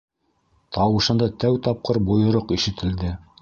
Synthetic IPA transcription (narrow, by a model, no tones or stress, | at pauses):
t̪ɑwɤ̆ʃɤ̆nd̪ɑt̪æwt̪ɑp̚qɤɾbŏjŏɾoqiʃɘ̆t̪ʰɘ̆ld̪ɘ